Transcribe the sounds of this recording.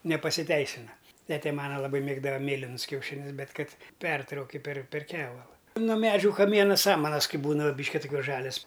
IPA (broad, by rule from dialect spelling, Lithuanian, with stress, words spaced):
nʲɛpɐsʲɪˈtʲɛɪsʲɪnɐ ˈtʲæːtʲɛ ˈmɑːnɐ lˠɐˈbɐɪ ˈmʲeːɡdɐʋɐ ˈmʲeːlʲɪnʊs kʲɛʊˈʃʲɪnʲʊs ˈbʲɛt ˈkɐt ˈpʲɛrtrɐʊkʲɪ pʲɛr pʲɛr ˈkʲæːʋɐlˠɐ noː ˈmʲæːd͡ʒʲʊ kɐˈmʲiɛnɐ ˈsɑːmɐnɐs ˈkɐɪ ˈbuːnɐ ˈbʲiːʃʲkʲɪ tʊˈkʲuɔs ˈʒɑːlʲɛs